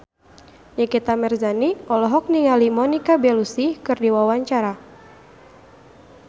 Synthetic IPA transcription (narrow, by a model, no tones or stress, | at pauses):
ɲikit̪amɛrzaniɔlɔɦɔk̚niŋalimɔnikabɛlusikɨrdiwawaɲt͡ʃaɾa